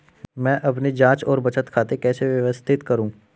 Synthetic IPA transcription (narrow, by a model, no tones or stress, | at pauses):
mɛ̃ːʔɐp̬nid͡ʒãːt͡ʃɔːɾbɐt͡ʃət̪kʰaːt̪ekɛːseʋjɐʋəst̪ʰɪt̪kɐɾũː